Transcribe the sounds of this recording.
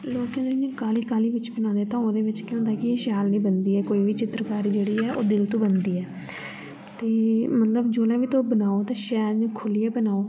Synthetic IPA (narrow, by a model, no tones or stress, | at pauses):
loːkãːd̪ed͡ʒãːkaːliːkaːliːʋɪt͡ʃbənãːd̪eːt̪ãːoːd̪eːʋɪt͡ʃkjõːd̪aːkɪeːʃjaːlnĩːbənd̪iːɛːkoːiːʋiːt͡ʃɪt̪ɾəkaːɾiːd͡ʒeːɽiːɛːʔoːd̪ɪlt̪õːbənd̪iːɛː | t̪eːmət̪ləbd͡ʒoːlãːʋiːt̪oːbənaːoːt̪ãːʃɛːɾd͡ʒãːkʰʊlijaːbənaːoː